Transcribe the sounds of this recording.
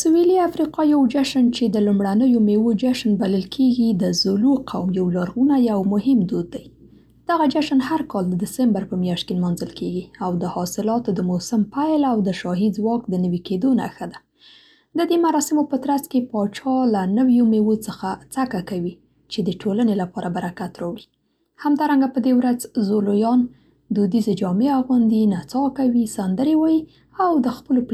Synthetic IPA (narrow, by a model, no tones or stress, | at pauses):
suweliafɾiqɑjawd͡ʒaʃənt͡ʃed̪əlumɽanəjomewod͡ʒaʃnbaləlkʰeɡid̪əzʊluqʰawmjawlaɾɣunajawmʊhɪmd̪od̪ːaj | d̪̥aɣad͡ʒaʃanhaɾkɑld̪əd̪ɪsambaɾpəmjɑʃt̪̚kelmɑnzəlkʰeɡiawd̪əhɑsɪlɑt̪od̪əmosampajlawd̪əʃɑɦizwɑkd̪ənəwiked̪ona̰xad̪a | d̪əd̪emaɾɑsɪmopət̪ɾaskepɑt͡ʃɑlanəwjomewot͡səxat͡sakakawi | t͡ʃed̪əʈʰolanelapɑɾʔabaɾakat̪ɾɑwli | hamd̪ɑɾaŋɡapəd̪ewɾazzolojɑn | d̪ud̪ized͡ʒɑmeaɣund̪inat͡sɑkawisand̪əɾewɑji | awd̪əxpəlop